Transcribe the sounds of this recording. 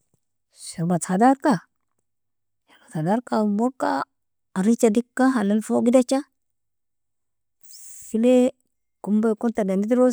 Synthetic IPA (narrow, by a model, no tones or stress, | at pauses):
ʃiɾmat͡sadaɾka | ʃimat͡sadaɾkamokːa | aɾit͡ʃadikːaɦananfoɡidat͡ʃa | sile | kumbakuntadandidiɾo